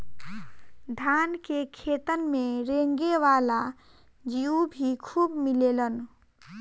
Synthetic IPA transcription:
d̪ʱankekʰet̪ənmeɾẽŋɡewala | d͡ʒiubʱikʰubmilelən

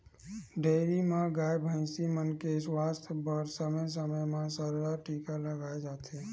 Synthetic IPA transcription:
ɖeːɾimãɡaːjbʱə̃ɪsimənkeswaːst̪ʰbəɾsəməjs̬əməjmãsəɾdaʈiːkaləɡaːed͡ʒaːt̪eː

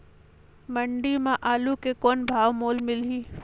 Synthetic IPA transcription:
məɳɖimãʔaːlukekɔːnbʱaːʋmoːlmɪlɦiː

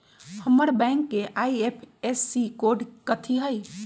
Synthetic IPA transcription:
həməɾbɛ̃ɪŋkːeʔaiepʰesːikoɾɖkət̪ʰiɦəj

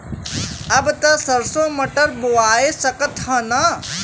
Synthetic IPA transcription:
ɐbt̪ɐsɐɾsõːmɐʈɐɾbowaːjesɐkɐt̪hɐnɐ

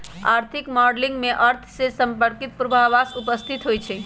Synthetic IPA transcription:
aɾt̪ʰikmɔɾɖliŋɡmeʔəɾt̪ʰsesəmpəɾkit̪̚pɾubʱaʋasupəst̪ʰit̪ɦojt͡ʃʰɛ

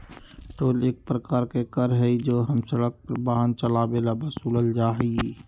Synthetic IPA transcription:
ʈoːleːk̚pɾəkaːɾkekəɾɦɛid͡ʒoːɦəmsəɽək̚baɦənt͡ʃəlabelabəsuːləld͡ʒaːɦɛɡi

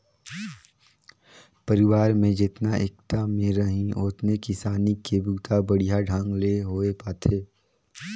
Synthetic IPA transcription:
pəɾɪʋaːɾmẽd͡ʒɪt̪naʔek̚t̪amẽɾɐɦĩoːt̪nekɪsaːnikebuːt̪ʰabɐɽijaɖʱãːŋɡleɦoːepaːt̪ʰeː

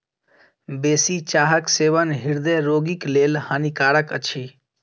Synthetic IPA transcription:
beːsit͡ʃaːɦəkseːʋənɦɪɾd̪eɾoːɡikleːlhaːnikaːɾəkə̰t͡ʃʰiː

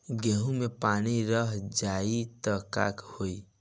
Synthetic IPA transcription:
ɡeɦũmepaniɾəɦd͡ʒait̪əka̰khoi

